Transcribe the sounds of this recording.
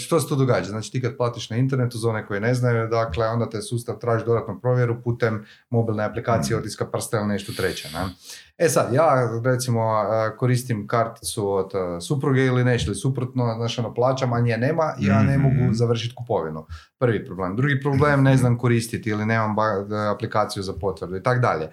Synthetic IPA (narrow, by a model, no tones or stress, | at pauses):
ʃt̪o̞set̪uːd̪oɡaːd͡ʒaznaːt͡ʃi̥t̪iːkad̪̚plˠaːt̪iʃnaint̪e̞ɾnet̪uzaoneko̞jine̞znajud̪akle̞o̞nd̪at̪esuːst̪aʋt̪ɾaːʒid̪o̞d̪at̪nopɾo̞ʋjeɾupuːt̪emː | o̞bilˠneaplikaːt̪sijeot̪iskapr̩st̪ailine̞ʃt̪ot̪ɾet͡ɕenḛesad̪jaːɾet̪simo̞əko̞ɾiːst̪imkaɾt̪i̥t̪suod̪supɾuɡeilineʃlisupɾot̪noznaːʃonoplˠaːt͡ʃamaɲijeneːmaʔijaːne̞mo̞ɡuzaʋr̩ʃ̬it̪kupo̞ʋinu | pr̩ʋipɾoble̞md̪ɾuɡipɾoble̞mne̞znamko̞ɾist̪it̪iline̞ːmambaaplikaːt̪sijuzapo̞t̪ʋrɾd̪uit̪akd̪a̰ʎe